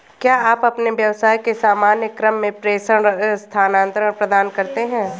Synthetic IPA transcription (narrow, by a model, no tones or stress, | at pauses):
kjaːaːpɐpneʋjɐʋsaːikesaːmaːnjəkɾəmːẽpɾeːʃəɽst̪ʰaːnãːnt̪ɾəɽpɾɐd̪aːnkɐɾt̪eɦɛ̃ː